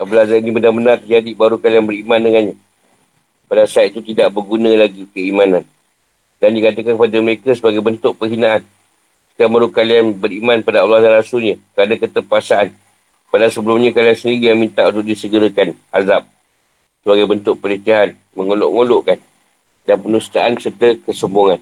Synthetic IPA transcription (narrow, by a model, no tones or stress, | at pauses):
abəlazaɾinibənabənãrt̪əd͡ʒadibaɾukalianbəɾimãndəŋanɲa | padasaat̪̚it̪ut̪idaʔbərɡunə̃laɡikəimãnan | dandikat̪əkankəpadaməɾekəsəbaɡajbənt̪ʊʔ̚pəɦinaʔan | i̥kabaɾukalianbəɾimãnpadaɔlːɑhdaɾasʊlɲakəɾanakət̪əpasaʔan | padasəbəlʊmɲakaliansəndiɾijaŋmint̪aʔunt̪ʊʔ̚disəɡəɾəkan | azap̚ | səbaɡajbənt̪ʊʔpələt̪aɦan | məŋolo̰ʔŋoloʔkan | danpənust̪aʔansərt̪əkəsəmboŋan